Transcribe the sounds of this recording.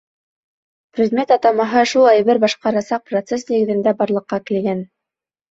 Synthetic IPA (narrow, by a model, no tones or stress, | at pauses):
prʲɪd̪mʲe̞t̪ɑt̪ɑmɑɦɤʃulˠɑjbɘɾbɑʃqɑɾɑsɑq̚prot̪sesniɡɘ̆ðɘ̆nd̪æbɑɾlˠɤ̆qːɑkĭlɡæn